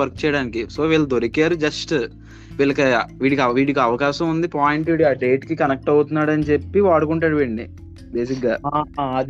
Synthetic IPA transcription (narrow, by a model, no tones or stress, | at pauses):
ɐɾk̚t͡ʃɛːjɐɽaːnikisoːʋiːɭɐd̪oɾikaːɾud͡ʒɐsʈ | ʋiːɭɐkɐʋiːɽikiɐʋiːɽikiɐʋɐkaːʃɐmund̪ipaːjiɳʈʋiːɽiaːɖe̞ːʈkikɐnɐk̚ʈɐwut̪unːaːɽɐnit͡ʃe̞pːiʋaːɽukuɳʈaːɽuʋiːɳɖi | be̞ːs̬ikɡaːaɐd̪i